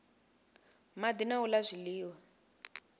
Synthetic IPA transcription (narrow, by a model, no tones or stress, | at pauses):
mad̪inaulazʷiliːwa